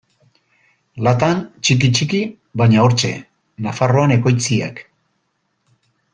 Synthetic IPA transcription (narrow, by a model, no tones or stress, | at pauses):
lat̪ant͡ʃik̬it͡ʃiki | βaɲao̞ɾt͡ʃe̞̰ | nafaro̞ane̞ko̞jt͡sia̰k